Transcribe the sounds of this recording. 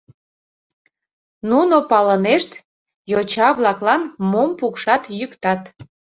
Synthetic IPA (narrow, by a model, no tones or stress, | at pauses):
nunopɑləneʃt̪ | jot͡ɕɑβlɑklɑnmompukʃɑt̪jykt̪ɑt̪